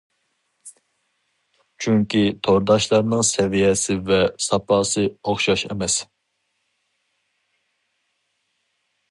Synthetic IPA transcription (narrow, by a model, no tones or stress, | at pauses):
t͡ʃʰyŋkʲit̪ʰoɾd̪ɑʃlˠɑɾnɨŋsɛvijɛsɪvɛsɑpʰɑːsɨoχʃɑʃɛ̰mɛs